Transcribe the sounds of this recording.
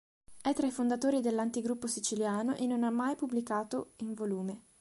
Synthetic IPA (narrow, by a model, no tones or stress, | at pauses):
ɛt̪ːɾaifond̪at̪oːɾid̪elːant̪iɡɾupːosit͡ʃiljaːnoʔenːonamːajpublikaːt̪oiɱvoluːme